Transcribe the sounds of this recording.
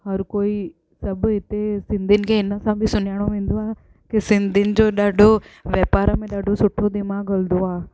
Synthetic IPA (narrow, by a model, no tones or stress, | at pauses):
hɐɾkoːi | sɐbɦɪt̪esɪ̃nd̪ʱɪnɪ̆kʰeɪnəsãbʱisʊnjaːɽ̃oʋẽːnd̪oaː | kesɪ̃nd̪ʱɪnɪ̆d͡ʑoːɗaːɖʱoʋjɛːpaːɾmẽɗaːɖʱosʊʈʰːod̪ɪmãɡəld̪oaː